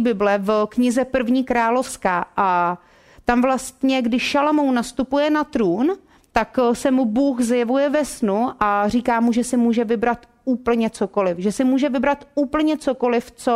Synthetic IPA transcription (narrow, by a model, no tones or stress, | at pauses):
bɪblɛvkɲɪzɛpr̩vɲiːkɾaːlo̞fskaːʔa | t̪amvlast̪ɲɛɡdɪʃʃalomownast̪upujɛnat̪ɾuːn | t̪aksɛmubuːxzjɛvujɛvɛsnuʔar̝iːkaːmuʒɛsɪmuːʒɛvɪbɾat̪ | uːpl̩ɲɛt͡soko̞lɪfʒɛsɪmuːʒɛvɪbɾat̪uːpl̩ɲɛt͡so̞ko̞lɪft͡so